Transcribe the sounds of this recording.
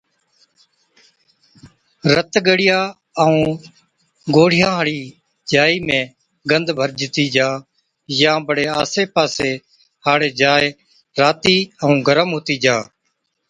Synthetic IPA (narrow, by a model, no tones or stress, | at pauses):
ɾət̪ɡəɽɪjaː | əũː | ɡoːɽ̤ɪjãːɦəɽiː | d͡ʒaːiːmẽː | ɡənd̪ʱbʱəɾd͡ʒɪt̪iːd͡ʒaː | jãːbəɽeːaːseːpaːseː | haːɽeːd͡ʒaːe | ɾaːt̪iːəũːɡəɾəmɦoːt̪iːd͡ʒaː